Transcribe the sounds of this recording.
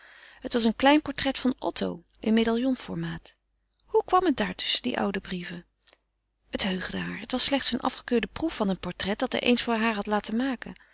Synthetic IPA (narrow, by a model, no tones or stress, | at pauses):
ɦətʋɑs̬ənklɛjnpɔɹtrɛtfɑnʔɔ̰tʰo̰w | ənmejdalˠjɔnfɔɹmaːt | hukʋɑmət̚daːɹtɵ̥sədḭʔʌ̰wdəbrivə | ətɦøɥχdəɦaːɹətʋɑslɛχtsənʔɑ̰fχə̥køːɹdəprufːɑnənpɔɹtrɛt̚dɑtɦɛ̰jʔḛjnsfʊːɹɦaːɹɦɑtlaːtəmaːkə̰